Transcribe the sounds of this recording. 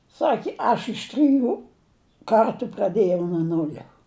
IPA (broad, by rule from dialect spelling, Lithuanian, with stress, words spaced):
ˈsɑːkʲɪ ˈɐʃ ɪʃ ˈtʲrʲɪˈjuː ˈkɐrtʊ prɐˈdʲeːjɛʊ nʊ ˈnʊlʲɛ